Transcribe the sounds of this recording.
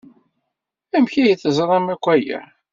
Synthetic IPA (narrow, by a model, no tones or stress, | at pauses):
æmçæjəθəzˤɾˤɑmækʷːæjæ̰